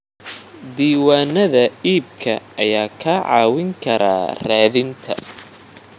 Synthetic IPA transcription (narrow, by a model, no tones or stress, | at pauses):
d̪iːwaːnɐðɐiːb̚kʰɐɐjaːkʰaːʕɑ̰ːwɪŋkʰɐɾa̰ːraːðɪnt̪ʰɐ